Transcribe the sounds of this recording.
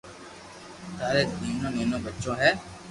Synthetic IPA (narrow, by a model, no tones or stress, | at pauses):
t̪aːɾeːniːnõːneːnõːbətːt͡ʃõːɦɛː